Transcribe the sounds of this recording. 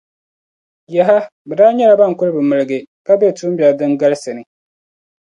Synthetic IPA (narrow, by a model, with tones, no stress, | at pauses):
ja˨ɦa˦bɛ˨daː˦ɲɛ˦la˨ba˦ŋ̩˨kʊ˦lɨ˦bɨ˨mɨ˨lɨ˨ɡɨ˨ka˦bɛ˦˨tu˦m˦ba˨dɨ˦ŋɡa˦lsɨ˨nɨ˨